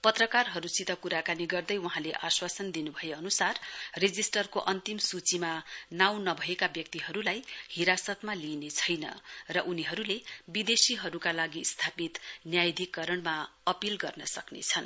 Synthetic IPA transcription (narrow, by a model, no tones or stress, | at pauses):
pʌt̪rʌkarɦʌɾusit̪ʌkuɾakaniɡʌrd̪ʌjwuɦãleʔaswasʌnd̪inubʱʌjeʌnusarred͡zisʈʌrkoʔʌnt̪imsut͡simanaw̃nʌbʱʌekabjʌk̚t̪iɦʌɾulajhiɾasʌt̪malinet͡sʰʌjnʌ̰rʌʔuniɦʌɾulebid̪esiɦʌɾukalaɡist̪ʰapit̪njajd̪ʱikːʌɾʌɳmaʌpilɡʌrnʌsʌknḛt͡sʰʌn